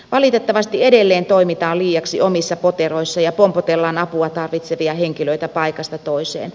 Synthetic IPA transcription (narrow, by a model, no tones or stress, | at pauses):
ʋɑlit̪et̪ːɑʋɑst̪iedelːeːnt̪oimit̪ɑːliːjɑksiomisːɑpot̪eroisːɑjɑpompot̪elːɑnɑpuɑt̪ɑrʋit̪seʋiɑheŋkiløit̪æpɑikɑst̪ɑt̪oisḛːn